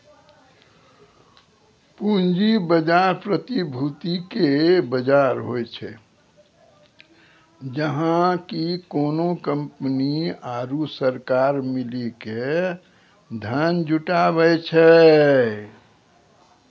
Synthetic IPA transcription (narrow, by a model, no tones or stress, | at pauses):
pund͡ʒibəd͡ʒaɾpɾət̪ibʱut̪ikebəd͡ʒaɾɦojt͡ʃʰɛ | d͡ʒəɦãkikoːnokə̃mpniaːɾusəɾkaɾmilike | d̪ʱənd͡ʒʱuʈabɛjt͡ʃʰɛ